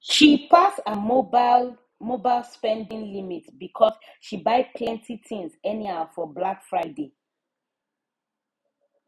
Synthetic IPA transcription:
ʃipʰasəmobl | mobaɪlˠspɛ̃ndĩŋlimitbikʰɔsʃibaɪpʰlɛ̃ntitĩŋzɛnihafɔblakfɹaɪde

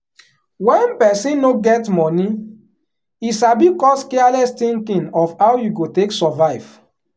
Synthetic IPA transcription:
wɛ̃npɛsĩnːoɡɛtmɔni | iʃabikɔskɛalɛstĩŋkĩnɔfhawjuɡoteksɔvaɪv̥

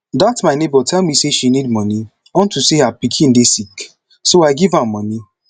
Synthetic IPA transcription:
datmaɪnebɔtʰɛlmiseʃinid̚mɔni | ɔn̩tuseɦapikʰĩn̩desik | soaɪɡivãmmɔni

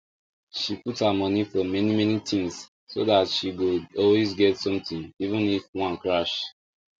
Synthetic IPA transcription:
ʃiputhamɔnifɔmɛnimɛnitĩŋs | sodatʃiɡoɔlwezɡɛtsɔ̃mtĩnivũnifwãnkɹaʃ

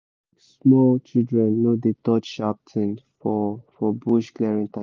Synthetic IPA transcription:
smɔlt͡ʃidɹɛ̃nːod̪etɔt͡ʃʃap̚tʰɛ̃nfɔfɔbuʃklɛɹɛ̃ntã

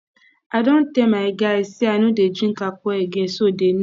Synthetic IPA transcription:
adon̩temaeɡaesianuded͡ʒiŋ̩kakʷɔeɡesoden

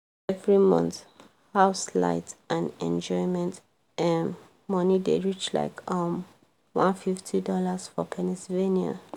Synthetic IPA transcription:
ɛvɹimʌ̰̃nθ | haʊsla̰ɪtʔãnɛ̰̃nd͡ʒɔɪmɛ̃nt | ɛmː | ʌnideɹit͡ʃla̰ɪkʰʌm | wɔ̃nfiftʰidɔlasfɔpʰɛnisivenia̰

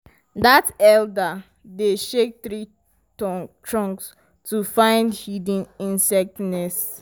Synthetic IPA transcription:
datɛlda | deʃek̚θɹi | tʰɹɔ̃ŋks | tʰufãɪ̃ndhidĩnĩnsɛk̚tnɛs

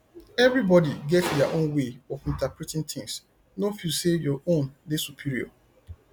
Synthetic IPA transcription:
ɛvɹibɔdiɡɛtdɛaʔõnweɔvĩntapɹɛtĩŋt̪ɪ̃ŋs | nofilsevjɔʔõndesupʰiɹiɔ̰

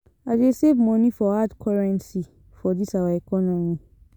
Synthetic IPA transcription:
adesevmɔ̃nĩfɔadkʰɔɹɛ̃nsi | fɔdisawaɛkɔnɔ̃mĩ

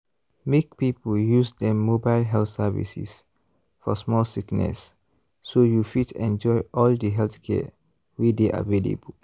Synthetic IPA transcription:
mek̚pipəljusdɛ̃mːobaɪlɦɛlθsɛvḭsḭs | fɔsmɔlsiknɛ̰sː | ojufitɛ̃nd͡ʒɔjʔɔldəɦɛlθkʰɛ̰ | wideʔa̰velḛbəl

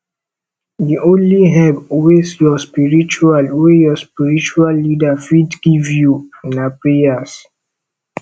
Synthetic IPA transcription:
diʔõnliɦɛbwesjɔspiɹit͡ʃualwejɔspiɹit͡ʃualːidafidɡ̥ivjunaplejas

